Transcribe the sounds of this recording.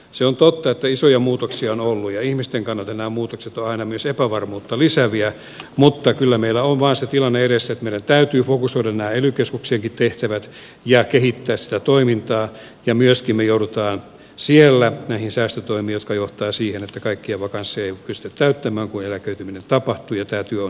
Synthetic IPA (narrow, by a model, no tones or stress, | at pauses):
seont̪ot̪ːɑet̪ːæisojɑmuːt̪oksiɑonolːujɑihmist̪eŋkɑnːɑlt̪eɑnæːmuːt̪okset̪oɑinɑmyøsepæʋɑrmuːt̪ːɑlisæʋiæ | mut̪ːɑkylːæmeilːæoʋʋɑːnset̪ilɑnːeeɾesːet̪meiɾænt̪æyt̪yːfokusoiɾɑnæːelykeskukseːŋkit̪t̪eht̪æʋæt̪ | jɑkehit̪ːæːssi̥t̪æt̪oimint̪ɑː | jɑmyøskimmejouɾut̪ɑːn | sielːænæihinsæːst̪øt̪oimiːjot̪kɑjoht̪ɑːsiːhenet̪ːækɑikːieʋɑkɑnsːeeipyst̪yt̪t̪æyt̪ːæmæːŋkunelækøyt̪yminent̪ɑpɑht̪ujɑt̪æːt̪yøon